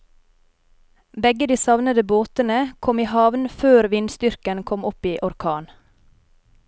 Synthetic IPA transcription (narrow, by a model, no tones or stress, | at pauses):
bɛɡəd̪iːsɑʋnəd̪əboːt̪ənəkʰɔmiːhɑʋnføːɾʋɪnst̪ʏɾkənkʰɔmɔpiːʔɔɾkʰɑːn